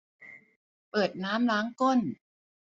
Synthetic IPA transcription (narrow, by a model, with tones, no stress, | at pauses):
pɤː˨˩t̪̚naː˦˥mlaː˦˥ŋko˥˩n